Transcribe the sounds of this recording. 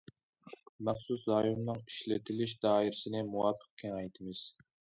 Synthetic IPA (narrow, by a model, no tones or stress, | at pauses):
mæχsuszɑːjumnɨŋi̥ʃlɪt̪ʰɪlɪʃd̪ɑːiɾɪsɪnɪmuwɑpʰːə̥q̚kʲʰɛnɑjt̪ʰɪmɨz̥